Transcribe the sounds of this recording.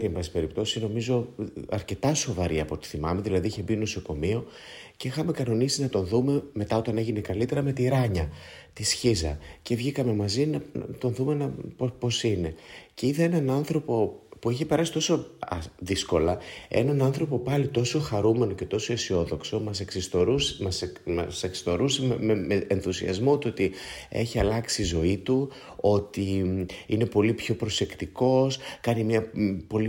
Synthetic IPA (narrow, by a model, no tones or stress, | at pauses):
iembɐsi̥pe̞ɾipt̪o̞sino̞mizo̞ɐ̰ɾce̞t̪ɐso̞vɐɾiɐpo̞t̪i̥θimɐme̞ðilɐðiiçebino̞so̞ko̞mio̞ | ce̞ixɐme̞kɐno̞nisinɐt̪o̞nðume̞me̞t̪ɐot̪ɐne̞ʝine̞kɐlit̪e̞ɾɐme̞t̪iɾɐɲɐt̪isçizɐ̰ce̞vʝikɐme̞mɐzinɐnɐ̰t̪o̞nðume̞nɐpopo̞sine̞ceiðɐe̞nɐnɐnθɾo̞po̞puiçepe̞ɾɐsi̥t̪o̞so̞ðisko̞lɐe̞̰nɐnɐnθɾo̞po̞pɐlit̪o̞so̞xɐɾume̞no̞ce̞t̪o̞so̞isio̞ðo̞kso̞mɐseksist̪oɾumɐsɐseksi̥st̪o̞ɾusemmeeenθusiɐ̰zmo̞t̪uo̞t̪ie̞̰çiɐlɐksizo̞it̪u | o̞t̪iine̞po̞lipço̞pɾo̞se̞kt̪iko̞skɐnimɲɐpo̞li